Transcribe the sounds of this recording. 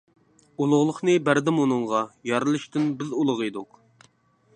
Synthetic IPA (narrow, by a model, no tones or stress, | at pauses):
ulˠʊʁlˠəχnɨbæɾd̪ɪmunɨŋʁɑjɑɾɨlˠɨʃt̪ɪnbɪzulˠʊʁɨjd̪uq